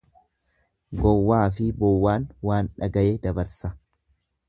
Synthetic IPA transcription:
ɡɔwːaːfɪbɔwːaːnwaːnᶑɐɡɐʔeːd̪ɐbɐɾsɐ

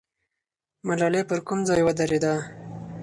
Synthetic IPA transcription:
malɑlepəɾkumd͡zɑjwad̪aɾed̪a

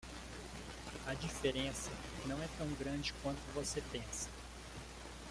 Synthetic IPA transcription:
ɐd͡ʒifeɾẽsɐ | nɐ̃w̃ɛt̪ɐ̃w̃ɡɾɐ̃d͡ʒɪkwɐ̃nt̪ʊvosepẽsɐ̥

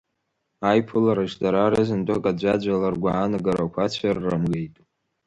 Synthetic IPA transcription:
ajpʰɨlaɾɨʃdaɾaɾɨzɨndʷʼakʼad͡ʒʷad͡ʒʷalarɡʷaːnɨɡaɾakʷʰat͡ɕʷʰarːɨmɡejtʼ

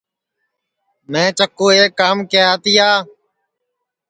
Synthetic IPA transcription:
mɛ̃ːt͡ʃəkoːeːkaːmkeːaːt̪iːaː

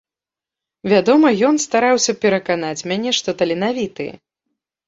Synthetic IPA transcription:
vʲad̪ɔmɐjɔnst̪aɾawsʲɐpʲɛɾɐkanat͡sʲmʲanʲɛʂt̪ɔt̪ɐlʲinavʲit̪ɨjɛ̰

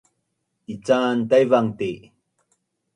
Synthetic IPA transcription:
it͡sant̪ajvaŋt̪e

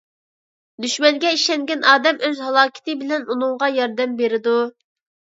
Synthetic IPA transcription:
d̪yʃmɛŋɡʲɛiʃɛŋɡʲɛnɑːd̪ɛmøzɦɑlˠɑːkʲʰɪ̥t̪ɪbɪlɛnunɨŋʁɑjɑɾd̪ɛmbeɾɪd̪u

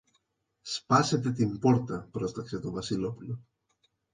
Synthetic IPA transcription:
spɐse̞t̪e̞t̪impo̞ɾt̪ɐpɾo̞st̪ɐkset̪ovɐsilo̞pulo

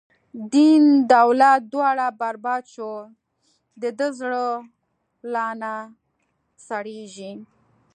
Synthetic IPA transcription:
d̪ind̪awlat̪̚d̪wɑɽabaɾbɑd̪t͡ʃo | d̪əd̪əzɽə | lɑna | saɽeʒi

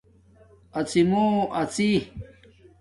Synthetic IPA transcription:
ɐt͡sʰimoʔɐt͡si

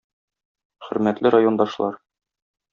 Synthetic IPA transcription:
χɵ̆ɾmæt̪lɘɾajo̞nd̪ɑʃlˠɑɾ

